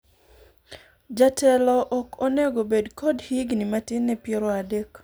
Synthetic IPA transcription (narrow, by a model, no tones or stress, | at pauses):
d͡ʒatɛlɔʔɔkonɛɡobedkodhiɡnimatɪnːɛpjɛɾɔadek